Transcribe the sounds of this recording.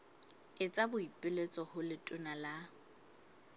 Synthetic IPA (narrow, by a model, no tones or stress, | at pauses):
ɪt͡sʼabʊipʼɪlet͡sʼɔhʊlɪtʼʊnala